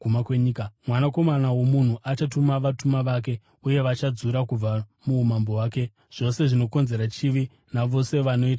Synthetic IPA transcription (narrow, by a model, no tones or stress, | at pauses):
ɡumakweɲiːkamwanako̞manawo̞mun̤uʔat͡ʃatumaʋatumaʋaːk̬e̞ | uje̞ʋat͡ʃad͡zuɾakub͡vamuːmambo̞waːke̞ | ʐ̥o̞se̞ʐino̞ko̞nze̞ɾat͡ʃiʋi | naʋo̞se̞ʋano̞iːta